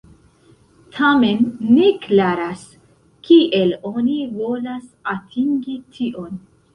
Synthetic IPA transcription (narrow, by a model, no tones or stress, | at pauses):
tʰame̞nːeklaɾas | kiʔe̞lo̞nivo̞lasatʰiŋɡitʰiʔo̞n